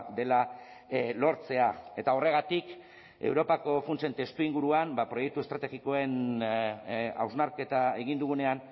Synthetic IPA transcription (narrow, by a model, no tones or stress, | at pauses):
d̪e̞la | lo̞ɾt͡se̞ae̞t̪ao̞re̞ɣat̪ik | e̞̰wɾo̞pako̞funt͡se̞nt̪e̞st̪uiŋɡuɾuambapɾo̞je̞k̚t̪ue̞st̪ɾat̪eɣiko̞e̞n | a̰wznaɾke̞t̪ae̞ɣ̞ind̪uɣune̞an